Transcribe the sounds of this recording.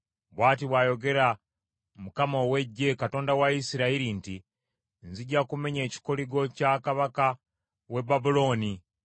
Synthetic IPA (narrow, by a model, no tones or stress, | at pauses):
βwaːtiβwaːjo̞ɡe̞ɾa | mukamowe̞ɟːe̞kato̞ːndawaisiɾaiɾinti | nziɟːakume̞ɲe̞ːci̥ko̞liɡo̞cakaβaka | we̞babulo̞ːni